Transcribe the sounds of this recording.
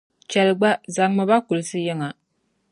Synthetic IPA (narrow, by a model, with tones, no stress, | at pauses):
t͡ʃɛ˨lɡ͡ba˦za˨ŋmɨ˨ba˦ku˨lɨ˨sɨ˦jɛ˦ŋa˨